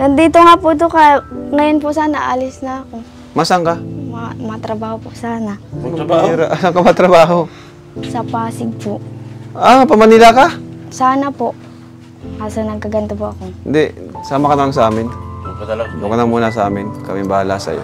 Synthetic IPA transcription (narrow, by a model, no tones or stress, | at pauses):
nɐnd̪iːt̪oŋaːpʊd̪okaŋɐjonpʊsaːnaʔalɪsnɐːko | masaŋkamamɐŋat̪ɾɐbaːhopʊʔsaːna | ɾaʔasaŋkamaat̪ɾɐbaːɦo | sɐpaːsɪɡ̚poʔapɐmɐnilakasaːnɐpoʔ | asɐnɐɡ̚kɐɡɐnt̪opoʔɐkohɪnd̪ɛsaːmakɐnɐlaŋsʔaːmɪn | d̪ʊkanɐmuːnas̬ɐʔa̰ːmɪnkɐmimbala̰sɐ̰jo̰